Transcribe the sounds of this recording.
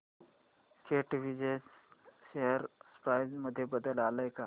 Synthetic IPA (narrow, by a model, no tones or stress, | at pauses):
skeʈʋid͡ʑe | ʃeɦəɾspɾajzməd̪ʱːjebəd̪əlaləjka